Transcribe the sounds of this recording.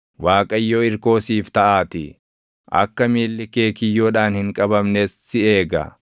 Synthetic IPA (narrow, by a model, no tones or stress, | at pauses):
waːkʼɐjːoɪɾko̞ːsiːft̪ɐʔaːt̪ɪ | ʔɐ̰kːɐmiːlːɪke̞ːkɪjːoːᶑaːnhɪŋkʼɐbɐmneːsːɪe̞ːɡɐ̰